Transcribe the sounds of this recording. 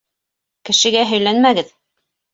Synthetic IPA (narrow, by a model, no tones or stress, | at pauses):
kɘ̆ʃɘ̆ɡæɦɵ̆jlænmæɡɘð